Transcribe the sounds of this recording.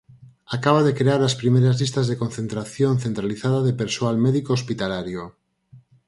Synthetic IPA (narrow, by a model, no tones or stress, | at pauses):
akaβ̞aðekɾeaɾaspɾimejɾazlist̪azðekon̟θent̪ɾaθjonθent̪ɾaliθaðaðepeɾsoalmeðikoospit̪alaɾjo